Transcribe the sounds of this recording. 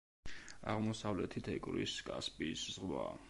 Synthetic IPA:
a̰ʁmɔsavlɛt̪ʰit̪ʰɛkʼɾḭskʼaspʼiszʁwa̰

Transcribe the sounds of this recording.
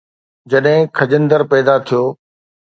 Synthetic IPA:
d͡ʑɐɗɦɪ̃kʰɐd͡ʑə̃nd̪əɾpɛːd̪at̪ʰijoː

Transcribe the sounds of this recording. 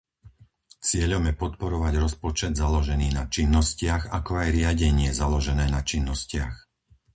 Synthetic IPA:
t͡sɪɛʎɔmjɛpɔt̪pɔɾɔʋaɟɾɔspɔt͡ʃɛd̪zalɔʒɛniːnat͡ʃinːɔscɪaɣakɔajɾɪaɟɛɲɪɛzalɔʒɛnɛːnat͡ʃinːɔscɪa̰x

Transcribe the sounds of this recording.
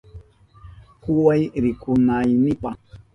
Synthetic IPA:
kuwajɾikunajnipa

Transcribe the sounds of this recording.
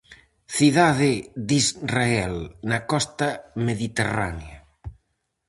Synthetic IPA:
θiðaðed̪izraɛlnakɔst̪ɐmeðit̪era̰nja

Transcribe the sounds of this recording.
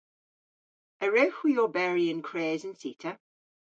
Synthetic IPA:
əɹœːˑxwijɔːbɛːɹiə̃nkʰɹ̥eːzə̃nsḭˑtʰə

